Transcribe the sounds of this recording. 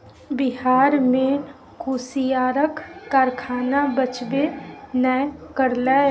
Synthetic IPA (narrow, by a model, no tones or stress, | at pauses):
bɪɦaːɾmẽ | kuːsijaːɾəkːaɾkʰaːnabət͡ʃbenəjkəɾlɛ